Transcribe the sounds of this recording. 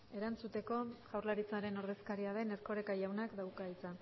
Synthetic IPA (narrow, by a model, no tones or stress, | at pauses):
e̞ɾant͡sut̪e̞ko̞ʝawɾlaɾit͡saɾe̞no̞ɾðe̞skaɾiaðe̞neɾko̞ɾe̞kajawnakd̪awkait͡sa